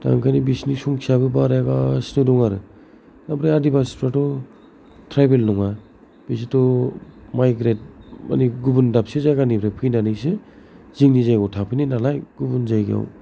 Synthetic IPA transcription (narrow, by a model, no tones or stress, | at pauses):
ta̰ŋkʰanibisnisuŋkʰiabɯbaɾjaɡasnɯdɔŋaɾɯ | nabɾajadibaspɾatɔ | tʰɾajbelnɔŋa | b̥is̬itɔmajɡɾet̚ma̰niɡubundap̚sɯzaɡanibɾajpʰɯjnanɯsɯ | ziŋnizajɡɔwtʰapʰɯjninalajɡ̥ubunzajɡḭa̰w